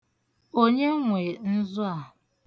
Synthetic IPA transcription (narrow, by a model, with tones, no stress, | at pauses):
o˦ɲe˦ŋʷe˨n̩˦zʊ˦a˨ɦ